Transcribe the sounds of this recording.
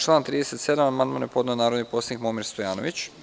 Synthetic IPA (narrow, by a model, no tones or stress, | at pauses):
t͡ʃlˠaːnt̪ɾiːd̪e̞se̞t̪se̞d̪amamand̪maːnepo̞d̪naonaːɾod̪nipo̞sanikmomiɾst̪ojaːno̰ʋit͡ɕ